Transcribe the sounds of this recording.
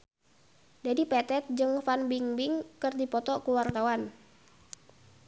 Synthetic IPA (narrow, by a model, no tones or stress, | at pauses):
d͡ʒadipɛt̪ɛt̪̚d͡ʒɨŋfanbiŋbɪŋkɨrdipɔt̪ɔkuwart̪awan